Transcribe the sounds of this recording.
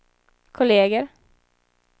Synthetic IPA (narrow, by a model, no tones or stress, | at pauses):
kʰʊleːɡəɾ